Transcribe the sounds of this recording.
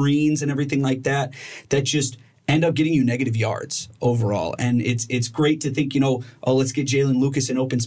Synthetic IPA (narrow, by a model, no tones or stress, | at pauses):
ĩnzɨ̃nɛvɹiθɪ̃ŋlaɪk̚ðæt̪̚ðɨt̚d̥ʒ̥ʌst | ɛ̃ndʌp̚ɡ̥ɛɾɪ̃ŋjɨnɛɡɨɾɨvjɑ̰ɹdz̥ʔoʊvə̰˞ɔ̰lˠɨ̃nɪtsɪtsɡ̥ɹeɪtʰɨθɪ̃ŋkjɨɾ̃oʊʔoʊlətsɡ̥ɛt̚d̥ʒ̥eɪlˠə̃nlukɨsɨ̃ñoʊpɨ̃n̩s